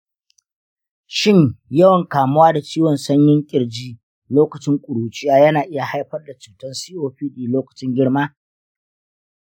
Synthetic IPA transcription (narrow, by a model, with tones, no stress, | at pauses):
ʃɪ˦ɲjɐ˦wɐ˨ŋkaː˨mʊ˦waː˦da˨t͡ʃiː˦wɔ˨nsɐ˦ɲjɪ˦ŋkʲʼɪ˨ɽd͡ʒiː˦ | loː˦kɐ˨t͡ʃɪ˦ŋkʷʼʊ˨ɽuː˨t͡ʃʼɪ˦jaː˦jɐ˦naː˨ʔɪ˦ja˨ha˦jɸɐ˦rda˨t͡ʃuː˨tɐ˦nsiː˦ʔoː˦ɸiː˦ɗiː˨loː˦kɐ̥˨t͡ʃɪ˦ŋɡʲɪ˦ɽmaː˦